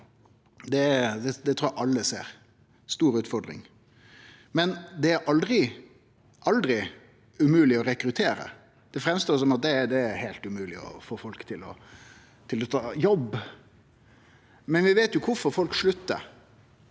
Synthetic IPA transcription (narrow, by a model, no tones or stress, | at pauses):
d̪ɛd̪ɛd̪ɛt̪ʰɾuːæʔɑlːəsḛːɾ | st̪uːɾʉːt̪fɔɾd̪ɾɪ̰ŋ | mɛnd̪ɛæɾʔɑld̪ɾɪ | ʔɑld̪ɾɪ | ʉmʉːlɪɔɾɛkɾʉt̪ʰeːɾə̰ | d̪̥ɛfɾɛmst̪oːɾsɔmɑt̪̚d̪ɛæd̪ɛæɾhæɪlt̪ʉmʉːlɪɔ̰foːfɔlkt̪ʰɪlɔ̰ | t̪ʰɪlɔt̪ʰɑːjɔb | mɛnʋɪʋeːt̪jʊkʰʊfɔɾfɔlkʂɭʉt̪ːə̰